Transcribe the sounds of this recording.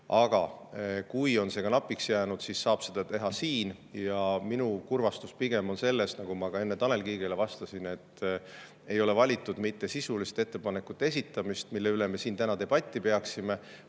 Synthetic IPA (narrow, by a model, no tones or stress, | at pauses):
ɑɡ̥ɑ̰kujo̞nse̞ɡ̥ɑnɑpːˑiksjæːnud̪̥sisːɑːb̥se̞d̪ɑt̪e̞ɦɑsiːnjɑminukurvɑst̪uspiɡ̥e̞mo̞nse̞lːe̞snɑɡ̥umɑɡ̥ɑe̞nːe̞t̪ɑle̞lkiːɡ̥elevɑst̪ɑsine̞t̪ːˑ | e̞jo̞le̞vɑlʲit̪ːˑud̪mit̪ːe̞sisulist̪e̞t̪ːe̞pɑne̞kːˑut̪ːˑee̞s̬it̪ːˑɑmist̪milːe̞yle̞me̞siːnt̪ænɑd̪e̞b̥ɑt̪ʲːˑipe̞ɑksime̞